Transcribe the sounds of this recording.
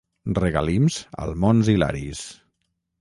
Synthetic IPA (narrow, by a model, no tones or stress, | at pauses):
rəɣalimzə̰lˠmonzila̰ɾis